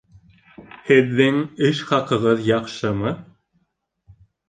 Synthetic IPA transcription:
hɘ̆ðːɘŋɘʃχɑqɤ̆ʁɤðjɑqʃɤmɤ

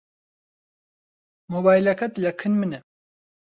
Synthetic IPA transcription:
mobaːjilɐkɐt̪lɐkʰɨnmɨnɛ

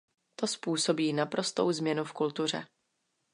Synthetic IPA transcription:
t̪o̞spuːso̞biːnapɾo̞st̪o̞̰wzmɲɛnufkult̪ur̝ɛ̰

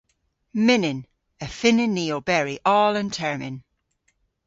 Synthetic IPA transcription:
mɪnɪ̃n | əfɪnɪnːiːobɛɹiʔɔːlə̃ntʰɛɹmɪ̃n

